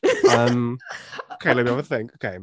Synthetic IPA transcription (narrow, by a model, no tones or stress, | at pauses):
ʌmoʊkʰeɪlɛt̚biovəθɪ̃ŋkoʊkʰeɪ